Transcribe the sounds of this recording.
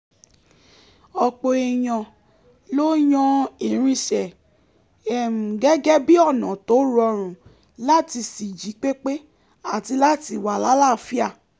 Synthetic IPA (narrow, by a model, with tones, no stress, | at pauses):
ɔ˧k͡po˧e˧j̃ɔ̃˧ | lo˦jɔ̃˦i˨ɾ̃ĩ˧ʃɛ˨ | ɛ˨mũ˨ɡɛ˦ɡɛ˦bi˦ɔ˦˨nɔ̃˨to˨˦ɾɔ˧ɾ̃ũ˨ | la˦˨ti˧si˨d͡ʒi˨˦k͡pe˦k͡pe˦ | a˦˨ti˧la˦ti˧˨wa˨la˨˦la˦˨fi˦a˦˨